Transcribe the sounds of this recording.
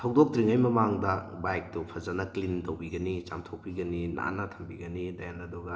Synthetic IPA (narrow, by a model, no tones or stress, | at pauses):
tʰawdok̚tɾiŋajmɐmaŋdɐbajk̚tupʰɐzɐnɐklintɐwbiɡɐnit͡ʃamtʰok̚piɡɐnina̰nɐtʰɐmbiɡɐnidajanɐduɡɐ